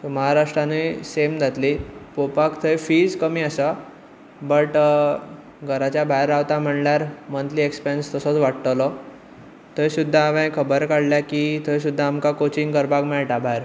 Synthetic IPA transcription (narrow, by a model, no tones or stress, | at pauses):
t̪oməɦaɾaʂʈɾanesemd͡z̪ʱat̪lipopakt̪ʰəefiːd͡zkəmiːəsa | bəʈ | ɡʱəɾat͡ɕjabʱajɾaʋt̪am̤əɳljaɾmənt̪liekspeənst̪əsət͡sʋaʈt̪əlɔ | t̪əjsud̪ʱːaːʋẽkʰəbəɾkaɽljakit̪ʰəjs̬ud̪ʱːaːmkakot͡ɕiŋkəɾbaɡmeɭʈabʱajɾ